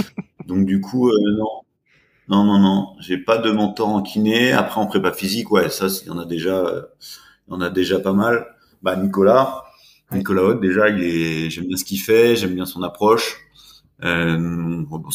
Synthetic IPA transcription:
d̪ɔ̃k̚d̪ykʰuønɔ̃ | nɔ̃nɔ̃nɔ̃ʒepad̪əmɔ̃t̪ɔʁɑ̃kʲʰinea̰pχɛɔ̃pχɛpafizikwɛsasjɑ̰̃nad̪eʒaø̰ | jɑ̃nad̪eʒapamal | banikɔla | nikɔlaɔt̪̚d̪eʒailɛʒɛmbjɛ̃sə̥kʲifɛʒɛmbjɛ̃sɔ̃napχɔʃ | ø | bɔ̃

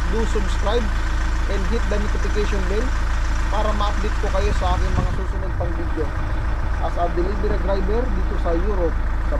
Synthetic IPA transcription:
d̪usʊbskɾajb | ʔɛnd̪̚ɡit̪̚d̪ɐnʊt̪ɪfɪkɛʃonlɛn | paːɾɐmɐʔɐk̚lɪt̪̚kokɐjo̞sɐʔaːkɪŋmɐŋasusʊnonpɐŋbid̪jo | ʔɐsad̪ɪlijbɛɾɐd̪ɾajbɛɾd̪iːt̪osɐjuːɾop̚ | sɐ

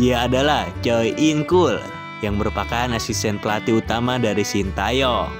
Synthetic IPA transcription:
ijaːdalaht͡ʃajʔiŋkul | jaŋməɾupakanasist̪ɛnpəlat̪iut̪amadaɾisint̪ajo

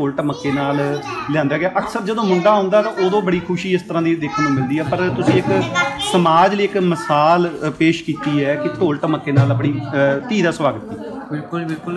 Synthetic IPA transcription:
oːlʈməkːeːnaːlljɛ̃ːnd̪aːɡɪaːʔəksəɾd͡ʒəd̪õːmʊ̃ɳɖaːɦõːnd̪aːt̪ãːʔoːd̪õːbəɽiːkʰʊʃiːɪst̪əɾãːd̪iːd̪eːkʰənːũːmɪld̪iːɛːpəɾt̪ʊsĩːɪksəmaːd͡ʒliɪkməsaːlpeːʃkiːt̪iːɛːkɪt̪oːlʈməkːeːnaːləp̬ɳiːt̪iːd̪aːsʋaːɡət̪ːiːɪlkʊlbɪlkʊl

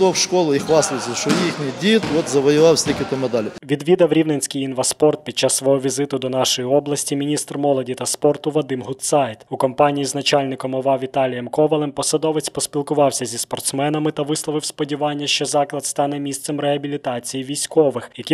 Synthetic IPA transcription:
owʃkɔlˠʊixʋɑslˠɪsʲɐʃɔjixnʲɪjdʲit̪ɔt̪zɐʋɔjʊʋɑwsʲt̪ʲikʲɪt̪ɔmɐd̪ɑlʲɪʋʲid̪ʋʲid̪ɐwɾʲiwnenʲsʲkɪjinʋɐspɔrt̪̚pʲid̪̚t͡ʃːɑsːʋɔɦɔʋʲizɪt̪ʊd̪ɔnɑʃɔjiɔblˠɐsʲtʲimʲinʲist̪rmɔlˠɔdʲit̪ɐspɔrt̪ʊʋɔd̪ɪmɦʊt̪sɑjt̪ʊkɔmpɑnʲijiznɐt͡ʃɑlʲnɪkɔmɔʋɑʋʲit̪ɑlʲɪjɛmkɔʋɐlˠɪmpɔsɐd̪ɔʋɪt͡sʲpɔspʲilˠkʊʋɑwsʲɐzʲispɔrt̪smɛnɐmɪt̪ɐʋɪslˠɔʋɪwspɔdʲiʋɑnʲːɐʃt͡ʃɔzɑklˠɐd̪st̪ɑn̪ɛmʲist̪sɛmreɦɐbʲilʲit̪ɑt͡sʲijiʋʲijsʲkɔʋɪxjɐkʲi

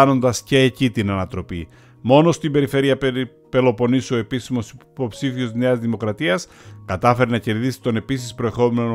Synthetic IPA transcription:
no̞nd̪ɐsce̞ːcit̪inɐnɐt̪ɾo̞pi | mo̞no̞st̪imbe̞ɾife̞ɾiɐ | pe̞lo̞po̞niso̞e̞pisimo̞sipo̞psifio̞zne̞ɐzðimo̞kɾɐt̪iɐs | kɐt̪ɐfe̞ɾenɐce̞ɾðisi̥t̪o̞ne̞pisispɾo̞e̞xo̞me̞no

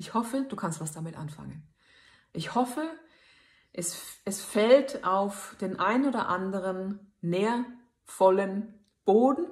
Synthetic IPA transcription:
ɪçhɔfəd̥uːkʰanstvasd̥amɪtʔa̰nfa̰ŋən | ʔɪçhɔfə | ʔɛsʔɛsfɛltʰʔaʊfd̥eːnʔaɪnoːdɐ̰ʔandəʁ̞ənːeːɐ | fɔlən | b̥oːdn̩

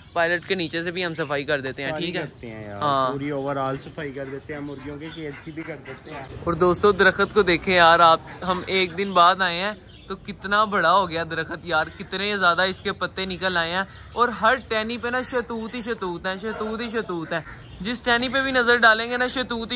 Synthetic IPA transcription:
paːɪləʈkeniːt͡ʃesebʱiɦɐmsəfaːikɐɾd̪eːt̪eɦɛ̃ːʈʰiːkɛɛːt̪eɛ̃ɦãːuːɾioːʋəɾaːlsəfaːikɐɾd̪eːt̪eɦɛ̃mʊɾɡijõkekeːʈkibʱikɐɾd̪eːt̪eɛ̃ɔːɾd̪oːst̪õd̪ɐɾəxət̪kod̪eːkʰẽjaːɾaːpɦɐmeːk̚d̪ɪnbaːd̪aːẽɦɛ̃ː | t̪okɪt̪nabɐɽaɦoːɡɪjaːd̪ɐɾəxət̪jaːɾkɪt̪nẽjzjaːd̪aɪskepət̪ːenɪkəlaːeɦɛ̃ː | ɔːɾɦɐɾʈɛːnipenaʃɐt̪uːt̪ɦiʃət̪uːt̪ɦɛ̃ːʃət̪uːt̪iʃ̬ət̪uːt̪ɛ̃ː | d͡ʒɪsʈɛːnipebʱinɐzəɾɖaːlẽːŋɡenaʃət̪uːt̪

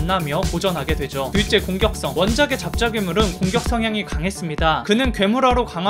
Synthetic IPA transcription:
nːamjʌkod͡ʑʌnɦaɡe̞dwe̞d͡ʑotit͡ɕ͈e̞koŋɡjʌk̚s͈ʌŋwʌnd͡ʑaɡe̞t͡ɕap̚t͡ɕ͈aɡimuɾɯnkoŋɡjʌk̚s͈ʌŋɦjaŋikaŋɦe̞s͈ɯmɲidakɯnɯnkɥe̞muɾaɾokaŋɦ

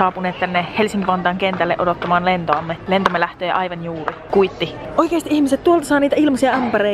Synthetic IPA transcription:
ɑːpuneːt̪t̪ænːehelsiŋkiʋɑnt̪ɑːŋkent̪ælːḛʔodot̪ːɑmɑːnlent̪oɑmːelent̪omːelæht̪øːʔɑjʋɑnjuːrikuit̪ːioijkeːst̪iʔihmiset̪t̪uolt̪ɑsɑːniːt̪æilmɑsiɑɑmpeɾe

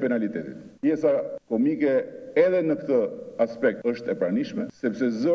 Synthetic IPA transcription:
pɛnalit̪ɛt̪ḭt̪pjɛsakɔmikɛɛðɛnəkt̪əaspɛk̚t̪əʃt̪ɛpɾaniʃmɛsɛpsɛzɔ

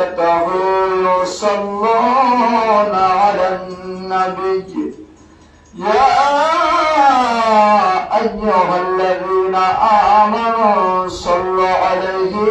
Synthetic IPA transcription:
t̪awisɑlːɑː | naalanːabɪj | jaː | ʔajːʊɦalːaðiːnaʔamanusɑlːaʔalejɦɪ

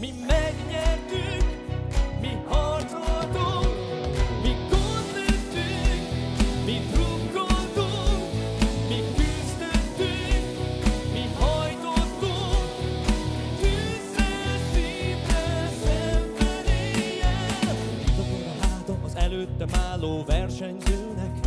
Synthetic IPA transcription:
mimɛɡɲɛt̪yk | mihɔrzod̪o | miɡond̪øt̪ːykmit̪ɾubɡot̪o | mikyst̪øt̪ːykmihɒjt̪ot̪ːo | kyztɛt̪ːybɛsɛmbɛɾejɛit̪ɒzeːɾɛlaːd̪omɒzɛløːt̪ːɛmaːloːvɛrʃɛɲzøːnɛk

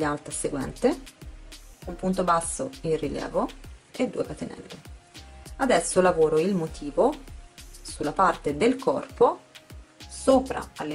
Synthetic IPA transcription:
ialt̪ɾaseɡwɛ̰nt̪e | umpunt̪obasːoinriljɛ̰ːvoed̪ːṵepat̪ːenɛ̰nd̪e | ad̪ɛsːolavoːɾoilmot̪ʰiːvo | sulːapart̪ed̪elkʰɔ̰rpo | soːpɾa̰alːe

